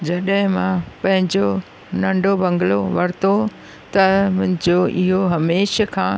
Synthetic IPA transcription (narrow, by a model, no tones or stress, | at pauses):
d͡ʑɐɗɦɪ̃mãːpɐ̃ɦɪ̃ɲd͡ʑo | nɐ̃ɳɖʱobɐ̃ŋɡloʋɐɾt̪o | t̪ɐmʊ̃ɦɪ̃d͡ʑoʔɪɦoɦɐmeːʃəkʰãː